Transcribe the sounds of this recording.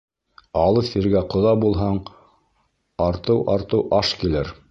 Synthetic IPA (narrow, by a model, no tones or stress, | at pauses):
ɑlˠɤfiɾɡæqŏðɑbulˠɦɑɴ | ɑɾt̪ɤwʔɑɾt̪ɤwʔɑʃkilɘɾ